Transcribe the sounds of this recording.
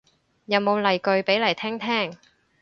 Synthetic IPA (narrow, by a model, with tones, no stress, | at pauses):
jɐ˨˧wmo˨˧wlɐ˨˩jkɵ˧ɥpe˨˥jlɐ˨˩jt̪ʰɛː˥ŋt̪ʰɛː˥ŋ